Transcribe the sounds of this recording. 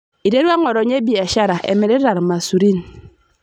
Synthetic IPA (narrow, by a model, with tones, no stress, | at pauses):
i˨de˦ɾwa˦ŋɔ˨ɾo˨ɲe˦bi˨a˨ʃa˦ɾa˨ʔḛ˨me˨ɾe˦ɾa˨ɾma˨su˨ɾi˦n